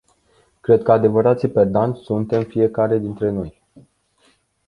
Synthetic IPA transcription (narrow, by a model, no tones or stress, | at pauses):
kɾe̞d̪̚kəad̪e̞vəɾat̪siperd̪anʲsunt̪e̞mfie̞kaɾe̞d̪int̪ɾe̞no̞j